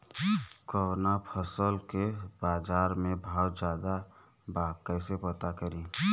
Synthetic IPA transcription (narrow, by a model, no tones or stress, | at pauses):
kəwnapʰəsəlkebaːd͡ʒaːɾmẽbəɔt̪d͡ʒjaːd̪a | bakəɪsepət̪akəɾĩː